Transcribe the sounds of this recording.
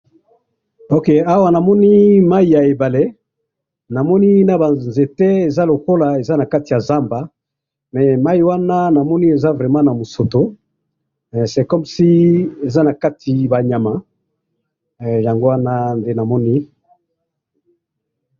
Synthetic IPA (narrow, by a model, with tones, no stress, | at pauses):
o˦ke˨a˦wa˦na˨mɔ˦ni˦ma˦i˨ja˨e˨ba˨le˦ | na˨mɔ˦ni˦na˦ba˨nze˨te˦e˨za˦lo˨ko˦la˨e˨za˦na˨ka˦ti˨ja˨za˦mba˨ | mɛ˨ma˦i˨wa˦na˦na˨mɔ˦ni˦e˨za˦vʁɛ˨mã˦na˨mo˨so˨to˨˦ | ɛ˨sɛ˨kɔ˦msi˦e˨za˦na˨ka˦tʰi˨ba˨ɲa˨mã˨˦ | ja˨ŋɡo˦wa˦na˦nde˦na˨mɔ˦ni˦